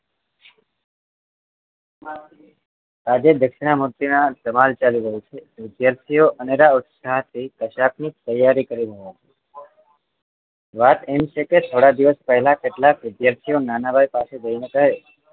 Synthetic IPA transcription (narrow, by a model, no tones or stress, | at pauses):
ad͡ʒed̪əkʃɪɳ̃amuɾt̪ːinad̪əmalt͡ʃaliɾəɦũt͡ʃʰeʋɪd̪jaɾt̪ʰijoʔəneɾaʊt̪saɦt̪ʰikəʃaknit̪əjːaɾikəɾiɾəɦot͡ʃʰe̥ | ʋat̪emt͡ʃʰeket̪ʰoɽad̪iʋəspəɦlakeʈlakʋɪd̪jaɾt̪ʰijonanabʱajpased͡ʒəjnekəɦe